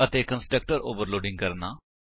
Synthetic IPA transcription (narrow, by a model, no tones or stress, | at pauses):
ət̪eːkənsʈɾək̚ʈəɾo̰ːʋəɾloːɖɪ̃ŋɡ̚kəɾnaː